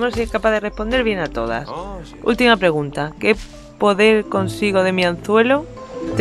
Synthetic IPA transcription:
monseehkapaðere̞spond̪eβ̞je̞nat̪o̞ða̰s | ṵlt̪imapɾe̞ɣ̞ũnt̪ake̞ | po̞ðe̞ɾko̞nsiɣ̞o̞ð̞e̞miãn̟θwe̞lot̪

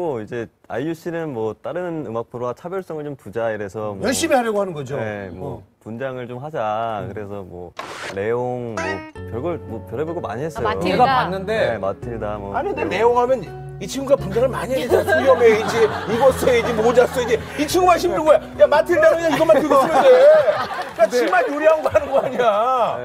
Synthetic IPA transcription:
ɡoid͡ʑe̞a̰juɕ͈ʰinɯnmwʌt͈aɾɯnɯmak̚pʰɯɾoat͡ɕʰabjʌɭs͈ʌŋɯɭt͡ɕompud͡ʑaiɾe̞sʰʌmjʌɭɕ͈imiɦaɾjʌɡoɦhanɯnɡʌd͡ʑoemwʌpund͡ʑaŋɯɭt͡ɕomɦad͡ʑakɯɾe̞sʰʌmwʌ̰le̞oŋmɔkjʌɭɡʌɭmʌpjʌɾɦebɯɭɡoma̰ɲiɦe̞s͈ʌoeɡapanːɯnde̞matʰiɭdamʌanidene̞oŋɦamjʌn | it͡ɕʰiŋɡuɡapund͡ʑaŋɯɭmaɲiɦeaijʌmeid͡ʑeiɡʌs͈ʰoeid͡ʑimod͡ʑas͈oeid͡ʑe | it͡ɕʰiŋɡuɡaɕʰimɾibojajamatʰɯɭdaɲaiɡʌmatʰɯɡosʰinɯe | kat͡ɕimanjoɾiɦanɡʌɦanɯnɡʌaɲiɾa

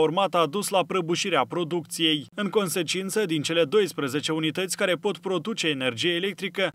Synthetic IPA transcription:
urmat̪aːd̪uslapɾəbuʃiɾeapɾo̞d̪uk̚t̪sije̞jɨŋko̞nse̞t͡ʃint̪səd̪int͡ʃe̞le̞d̪o̞jspɾəze̞t͡ʃe̞unit̪ət̪sʲkaɾe̞po̞t̪pɾo̞d̪ut͡ʃe̞ːne̞rd͡ʒijeːle̞k̚t̪ɾikə

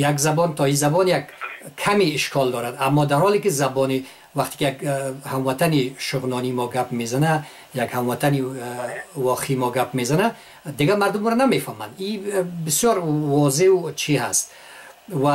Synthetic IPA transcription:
jakzabɔnt̪ʰɔizabɔnjakkʰːamiːʃkʰɔld̪ɔɾad̪amːɔd̪aɾhɔlikizabɔni | vaχt̪e̥kijakhamvat̪ʰaniʃʊʁnɔnimɔɡapmezana | jakhamvat̪ʰani | vɔqʰeimɔɡapme̞zana | d̪iɡamaɾd̪umɾɔname̞fama̰nd̪ibisjɔɾvɔzeut͡ʃʰiɦast̪ | va

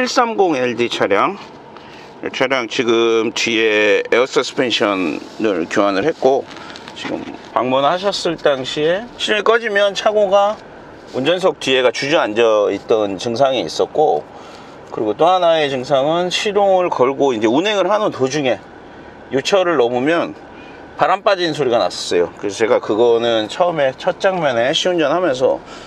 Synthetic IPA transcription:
iɭs͈amɡoŋeɭdit͡ɕʰaɾjaŋ | ḛt͡ɕʰaɾjaŋt͡ɕiɡɯmt͡ɕɥiees͈ʰʌsʰɯ̥pʰenɕʰʌnːɯɭkjoanɯɭhe̞t̚k͈o | t͡ɕiɡɯ̰mpa̰ŋmunhaɕ̬ʰʌs͈ɯɭt͈aŋɕʰieid͡ʑomik͈ʌd͡ʑimjʌnt͡ɕʰaɡoɡa | und͡ʑʌns̬ʰok̚tɥie̞ɡat͡ɕud͡ʑuand͡ʑʌit̚t͈ʌnt͡ɕɯŋsʰaŋiḭs͈ʌt̚k͈o | kɯɾiɡot͈oɦanae̞t͡ɕɯŋsʰaŋɯnɕʰiɾoŋɯɭkʌɭɡoind͡ʑe̞unɦe̞ŋɯɭɦanɯntod͡ʑuŋe̞ | jot͡ɕʰʌɾɯɭnʌmumjʌn | paɾamp͈ad͡ʑinsʰoɾiɡana̰s͈ʌ̥s͈ʌjo̰kɯɾesʌt͡ɕe̞ɡakɯɡʌnɯnt͡ɕʰʌɯme̞t͡ɕʰʌt̚t͡ɕ͈aŋmjʌneɕʰiund͡ʑʌnɦhamjʌns̬ʰʌ̰

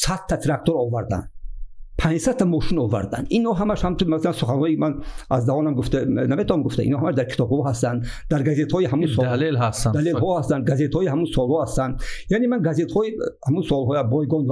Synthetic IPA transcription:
sat̪t̪ʰːat̪ʰiɾak̚t̪ʰɔɾɔvaɾd̪a̰nd̪pʰãnd͡ʒsad̪t̪ʰːamɔʃinɔva̰ɾd̪a̰nd̪inɔɦamaʃhamt̪unmasalansuχanhɔikimanazd̪ahɔnamɡuft̪anamet̪ʰahamɡuft̪a̰ḭnhɔhamaʃd̪aɾkʰi̥t̪ʰɔb̚hɔɦast̪and̪ | d̪aɾɡazet̪hɔiɦamunsɔlelɦast̪ad̪alelɦɔhast̪and̪̚ɡazet̪hɔihamunsɔlhɔhast̪and̪janemanɡazet̪hɔihamunsɔlɦɔjabɔjɡɔnv

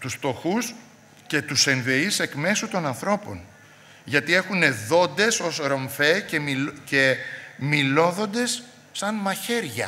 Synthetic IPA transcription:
t̪usft̪oxus | ce̞t̪use̞ɱve̞ise̞kme̞sut̪o̞nɐnθɾo̞po̞̰n | ʝɐt̪ie̞xune̞ðo̞nd̪e̞so̞sɾo̞ɱfe̞cecemilo̞ðo̞nd̪e̞sː | ɐnmɐçe̞ɾʝɐ̰

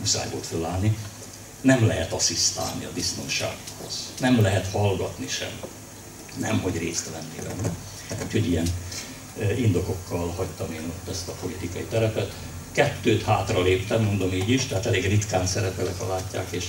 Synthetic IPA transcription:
usa̰ːjboːlt̪følːaːlni | nɛmlɛɦɛt̪ɒsist̪a̰ːlniɒbist̪o̞nʃa̰ːɡho̞̰z̥nɛmlɛɦɛt̪hɒlɡɒt̪niʃɛ̰m | nɛ̰mho̞ɟreːst̪lɛnːḛːlɛ̰mɛ | uːcʰho̞ɟijɛn | ind̪o̞ko̞kːɒlhɒct̪ɒmeːnot̪ːɛst̪ɒpo̞lit̪ikɒit̪ɛɾɛpɛt̪ | kɛt̪ːøːt̪haːt̪rɒleːpt̪ɛmːo̞nd̪o̞miːɟiʃt̪ɛɦaːt̪ɛleːɡrit̪kaːnsɛɾɛpɛlɛkɒ̰laːcːa̰ːkeːʃ

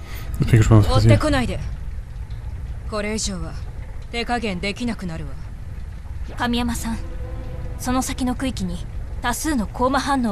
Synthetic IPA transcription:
pekɾasoeko̞naid̪e | ko̞ɾe̞ːʑo̞ːβat̪e̞ːkaɡẽ̞nd̪e̞kʲinakɯ̟naɾɯ̟βa | kamʲijamasãɰ̃ | so̞no̞sakʲino̞kɯ̟ikʲiɲ̟it̪asɨːno̞kʰo̞ːmaɦãnːo̞ː

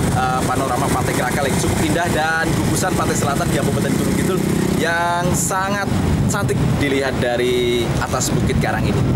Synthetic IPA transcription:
ə | panalɾamapat̪aɪɡəɾakalaɡit͡ʃukʊpindahda | nkuɡusanpat̪ɪk̚səlat̪andiapəpət̪ənit̪uməɡit̪ʊl | ja | ŋsaŋat̪̚ | t͡ʃat̪ɪk̚diliɦat̪̚daɾi | at̪asbukɪt̪̚kaɾaŋini

